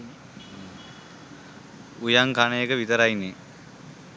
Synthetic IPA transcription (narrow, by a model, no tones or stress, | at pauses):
ujaŋkanəjəkəʋit̪əɾajnːe